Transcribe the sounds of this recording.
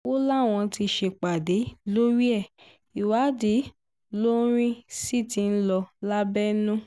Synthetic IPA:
wo˦la˦˨w̃ɔ̃˧ti˧ʃe˧˨k͡pa˨de˨˦lo˦ɾi˦ɛ˦˨ | i˨wa˨˦de˨˦ | lo˦ɾ̃ĩ˦si˦ti˧n̩˦lɔ˧la˦bɛ˦nũ˦

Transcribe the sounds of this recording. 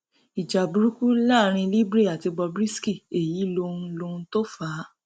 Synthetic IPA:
i˨d͡ʒa˨bu˨˦ɾu˦ku˦laː˦˨ɾ̃ĩ˧li˦bɾe˦˨a˨ti˧ɡ͡bɔ˧bɾi˦ski˦˨e˨ji˨˦lo˧ũ˧lo˧nũ˧to˦faː˨˦

